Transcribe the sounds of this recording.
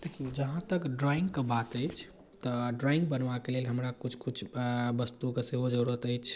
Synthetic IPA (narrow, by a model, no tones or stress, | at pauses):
d̪̥ekʰiod͡ʒəɦãt̪əkɖɾɔĩŋɡkebat̪əjt͡ʃʰ | t̪əɖɾɔĩŋɡ̚bənʋakelelɦəmɾakut͡ʃʰkut͡ʃʰbəst̪ukeseɦod͡ʒəɾuɾət̪əjt͡ʃʰ